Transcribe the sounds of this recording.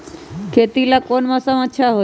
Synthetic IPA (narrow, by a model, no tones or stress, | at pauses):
kʰet̪ilakonmãsəməʃʰaɦo